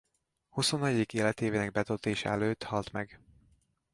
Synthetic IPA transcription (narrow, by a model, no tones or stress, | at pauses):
huso̞nːɛɟikeːlɛt̪eːveːnɛɡ̚bɛt̪olt̪eːʃɛ̰ɛløːt̪hɒlt̪mɛɡ